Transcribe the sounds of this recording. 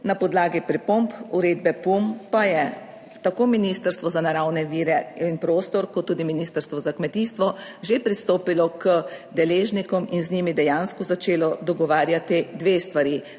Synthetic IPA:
napɔd̪laːɡipɾipompuɾeːd̪bɛpumpajɛ | t̪akoːminist̪əɾst̪ʋɔzanaɾawnɛʋiːɾɛinpɾoːst̪ɔɾkɔt̪ːuːd̪iminiːst̪əɾst̪ʋɔzakmɛt̪iːst̪ʋɔʒepɾist̪oːpilɔkəd̪ɛleːʒnikɔminzniːmid̪ɛjaːnskɔzat͡ʃeːlɔd̪ɔɡɔʋaːɾjat̪id̪ʋeːst̪ʋaɾiː

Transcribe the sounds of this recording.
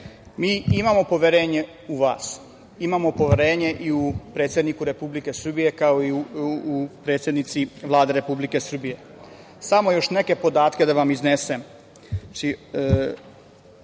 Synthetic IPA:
miːimamo̞po̞ʋjeɾe̞ːɲe̞ | uʋaːs | imamo̞po̞ʋeɾe̞ːɲeʔiupɾet̪sjed̪nikuɾe̞publike̞sr̩bije̞kaoiupɾe̞ːt̪sʲje̞d̪nit̪siʋlˠaːd̪eɾe̞publike̞sr̩bije̞ | samo̞jo̞ʃne̞ke̞po̞d̪aːt̪ke̞d̪aʋamiznesem | t͡ʃi

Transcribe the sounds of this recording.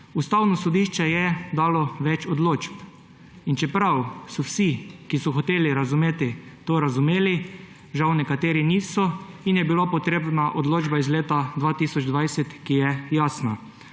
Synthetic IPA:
ust̪awnɔsɔd̪iːʃt͡ʃɛjɛd̪aːlɔʋɛt͡ʃɔd̪loːt͡ʃp | int͡ʃɛpɾawsɔwsikisɔxɔt̪eːliɾazumeːt̪it̪oːɾazumeːli | ʒawnɛkat̪eːɾiniːsɔinjɛbilopɔt̪ɾeːbnaʔod̪loːd͡ʒbaizleːt̪ad̪ʋaːt̪iːsɔd͡ʒd̪ʋajsɛt̪kijɛjaːsna

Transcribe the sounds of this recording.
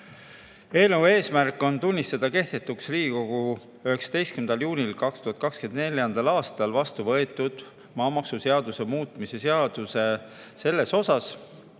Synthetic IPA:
e̞ːluve̞ːsmærkːˑo̞nt̪unʲːist̪ɑd̪̥ɑke̞ht̪e̞t̪ːˑuksriːko̞ɡ̥u | yhe̞ksɑ̥d̪̥e̞jst̪kymnd̪̥ɑljuːnʲilkɑkst̪uɦɑt̪kɑkske̞nd̪nelʲjɑnd̪̥ɑlɑːst̪ɑlvɑst̪uvɤe̞t̪ːˑud̪̥ | mɑːmɑksuse̞ɑd̪̥use̞muːt̪ˑmise̞seɑd̪̥use̞se̞lːe̞so̞sɑs

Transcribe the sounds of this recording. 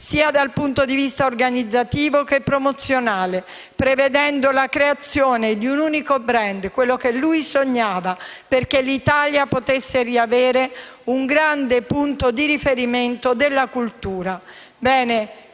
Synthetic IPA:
siːad̪alpunt̪od̪ivist̪aorɡanid̪zːat̪iːvokepːɾomot̪sːjonaːle | pɾeved̪ɛnd̪olakɾeat̪sːjoːned̪iunuːnikobɾɛnd̪kwelːokelːujsoɲːaːvaperkelit̪aljapot̪esːeriaveːɾeuŋɡɾand̪epunt̪od̪iɾifeɾiment̪od̪elːakult̪uːɾa | bɛːne

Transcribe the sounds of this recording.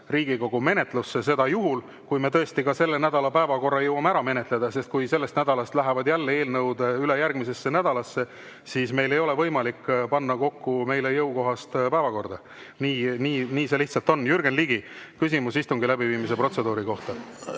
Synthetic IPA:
riːɡ̥iɡo̞ɡ̥ume̞ne̞t̪ˑlusːe̞se̞d̪ɑjuɦul | kujme̞t̪ɤ̞est̪ikɑse̞lːe̞næd̪ɑlɑpæevɑko̞rːɑjɤwɑmæɾɑme̞ne̞t̪le̞d̪̥ɑse̞st̪̚kujse̞lːest̪næd̪̥ɑlɑst̪læɦevɑd̪jælːee̞ːlnɤwd̪̥eyle̞jærɡ̥mise̞sːe̞næd̪ɑlɑsːe̞ | siːsme̞jle̞jo̞le̞vɤjmɑlikːpɑnːɑko̞kːume̞jlejɤwko̞ɦɑst̪pæevɑko̞rd̪̥ɑ | niːniːniːse̞liht̪sɑlt̪o̞nːjyrɡ̥enliɡikys̬ʲimusist̪uŋɡilæbiviːmise̞pro̞t̪se̞d̪̥uːɾiko̞ht̪ɑ

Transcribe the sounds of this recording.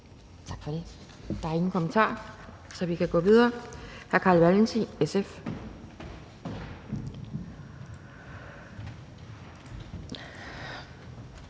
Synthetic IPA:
t͡sʰɑ̈ɡ̥fɒ̽d̥e̝ | d̥ɑ̈æɐe̝ŋn̩kʰo̽mənt͡sʰɑ̰̈ː | sɒ̽ʋikʰæɡ̥ɔ̰̽ːʋiðˠɐːhæɐkʰɑ̰̈ːlʋælnsiesef

